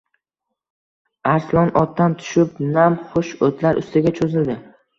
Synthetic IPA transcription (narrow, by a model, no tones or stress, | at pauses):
aɾslˠɒnʔɒt̪̚ːant̪ʰʊ̥ʃɪpnamχʊʃot̪ʰlaɾʔʊ̰st̪ʰɪɡʲat͡ʃʰozɪld̪ɪ